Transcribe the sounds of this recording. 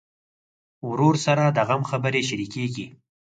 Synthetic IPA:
wɾoɾsaɾad̪aɣamxabəɾeʃaɾikeɡi

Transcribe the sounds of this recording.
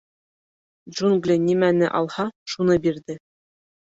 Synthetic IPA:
d͡ʑunɡlʲɘ̆nʲimænɘ̆ʔɑ̰lˠhɑʃunɤbird̪ʲɘ̆

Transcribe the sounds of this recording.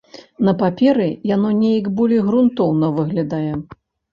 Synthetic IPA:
nɐpapʲɛɾɨjanɔnʲejɐkbɔlʲijɣɾunt̪ɔwnɐvɨɣlʲad̪ajɛ

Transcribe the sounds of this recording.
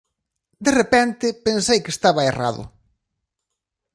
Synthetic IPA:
d̪erepɛnt̪ɪpensejkest̪aβɐera̰ðʊ̰

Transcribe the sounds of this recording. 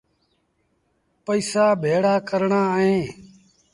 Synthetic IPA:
pəiːsaːbʱeːɽaːkəɾɳãːɦẽː

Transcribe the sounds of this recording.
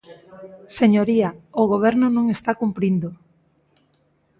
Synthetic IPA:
seɲoɾiaoɣoβ̞ɛɾnonõŋest̪akumpɾind̪o

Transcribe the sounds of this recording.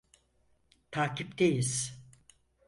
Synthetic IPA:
t̪ʰaːcʰipd̪ejiz̥

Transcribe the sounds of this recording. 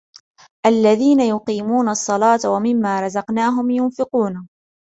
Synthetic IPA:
ʔalːaðiːnajʊqiːmuːnɑsˤːɑlɑːt̪awamɪmːaːɾˤɑzɑqnaːɦʊmjʊnfɪquːna

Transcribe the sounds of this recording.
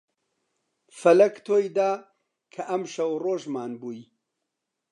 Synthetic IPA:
fɐlɐkt̪ʰoːjd̪aː | kʰɐʔɐmʃɐwroːʒmaːnbuːj

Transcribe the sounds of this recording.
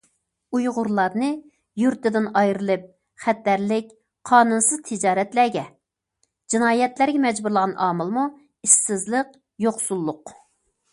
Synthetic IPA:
ujʁʊɾlˠɑɾnɨ | juɾt̪ɪd̪ɪnɑjɾɨlˠɨp̚ | χɛt̪ːæɾlɪk̚ʲ | qʰɑːnunsɨz̥t̪ʰɨd͡ʒɑːɾɛt̪læɡʲɛ | d͡ʒinɑːjɛt̪læɾɡʲɛmɛd͡ʒbuɾlˠəʁɑnʔɑːmɨlˠmu | iʃsɪzlˠəq | joχsulˠːʊq

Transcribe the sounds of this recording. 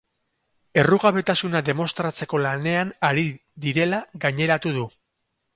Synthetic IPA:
e̞ruɣaβe̞t̪asunaðe̞mo̞st̪ɾat͡se̞ko̞lane̞anaɾiðiɾe̞laɣaɲe̞ɾat̪uðu

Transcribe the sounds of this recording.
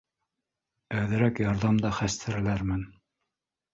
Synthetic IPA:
æðɘ̆ɾækjɑɾðɑmd̪ɑχæst̪ʰɘ̆ɾɘ̆læɾmɘn

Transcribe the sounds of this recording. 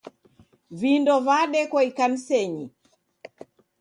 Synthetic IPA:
vindɔvaɗɛkwaikan̩sɛɲi

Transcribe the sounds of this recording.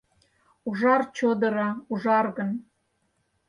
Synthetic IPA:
uʒɑrt͡ɕod̪ɤ̆ɾɑuʒɑrɣən

